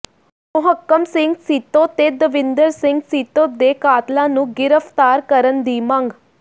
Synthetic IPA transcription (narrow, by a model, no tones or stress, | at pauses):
mʊɦəkːəmsɪŋɡsiːt̪õːt̪eːd̪əʋɪ̃nd̪əɾsɪ̃ŋɡsiːt̪õːd̪eːkaːt̪lãːnũːɡɪɾəft̪aːɾkəɾənd̪iːmaŋɡ